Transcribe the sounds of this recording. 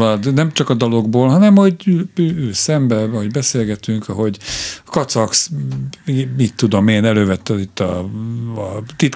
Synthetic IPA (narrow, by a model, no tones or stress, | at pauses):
lɒd̪nɛmt͡ʃɒkɒd̪ɒlo̞ɡboːlɦɒnɛmho̞ɟyøːøːsɛmbɛɒɦo̞ɟbɛseːlɡɛt̪yŋkʰɒɦo̞ɟɒkɒt̪sɒks | iit̪ːud̪o̞meːnɛløːvɛt̪ːɛit̪ːɒ | t̪it̪